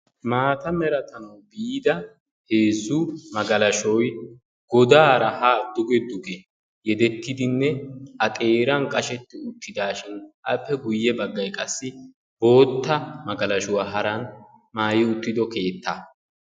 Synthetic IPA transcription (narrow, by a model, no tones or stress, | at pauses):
maːt̪ɐmɛɾɐt̪ɐmɔbid̪ɐ | heːzʊmɐɡɐlɐʃɔj | ɡɔd̪aːɾɐhaːd̪ʊɡɛd̪ʊɡɛ | jɛd̪ɛt̪ːɪd̪ɪnːɛɐt̪ʼe̞ːɾɐnkʼɐʃɛt̪ːɪʊt̪ːɪd̪aːʃɪnʔɐpːɛɡʊjːɛbɐɡːɐjkʼɐsːɪ | b̥o̞ːt̪ːɐmɐɡɐlɐʃʊwaːɦɐɾɐn | maːjɪʊt̪ːɪd̪ɔke̞ːt̪ːɐ